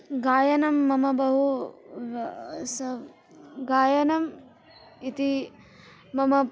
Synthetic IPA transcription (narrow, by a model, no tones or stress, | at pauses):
ɡaːjɐnɐmːɐmɐbɐɦu | sɐ | ɡaːjɐnɐm | it̪iː | ɐmɐ